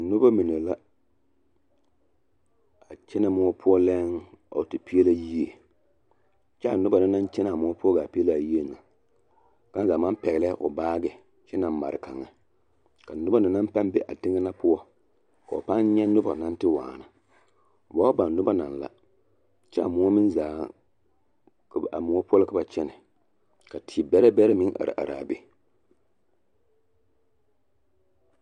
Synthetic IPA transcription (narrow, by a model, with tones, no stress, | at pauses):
nʊ˦ba˦mi˨ne˨la˦ | a˨t͡ʃɛ˦na˨mʊ˦ɔ˦pʰʊ˦ɔ˦lɛ˦ŋa̰˨tɪ˨pi˦e˦la˦ji˦e˨ | t͡ʃɛ˦a˨nʊ˦ba˨na˦na˦nt͡ʃɛ˦na˨mʊ˦ɔ˦pʊ˦ɔ˦ɡa˨pi˦e˦la˨ji˦e˦na˨ | ka˦n˦zaː˨ma˦m˦pɛ˨ɣɪ˨lɛ˦ʔʊ̰˨baː˦ɡɛ˨ | t͡ʃɛ˦na˨m˦ma̰˨ɾɪ˨ka˨ŋːa˨ | ka˨nʊ˦ba˦na˨na˦m˦pa˦n˦be˨ʔa̰˨tɪ˦ŋɛ˦na˦pʊ˦ɔ˦ | ka˨o˨pa˦n˦ɲɛ˦nʊ˦ba̰˨na˦n˦tɪ˦waː˨na˨ | ba˦ba˨n˨nʊ˦ba˦na˨n˨la̰˨ | t͡ʃɛ˦a˨mʊ˨˦ɔ˦mɪ˦n˦zaː˨˦ | ka̰˨mʊ˨ɔ˦pɔ˦lɨ˦ka˨ba˨t͡ʃɛ˦nɪ˨ | ka˨tʰi˨bɛ˦ɾɛ˦bɛ˦ɾa˦mɪ˦ʔa̰˨ɾɨ̰˨ʔa̰˨ɾa̰ː˨be˦